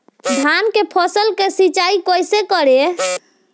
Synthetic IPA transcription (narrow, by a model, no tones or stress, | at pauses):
d̪ʱankepʰɔsəlkesit͡ʃaikojsekəɾe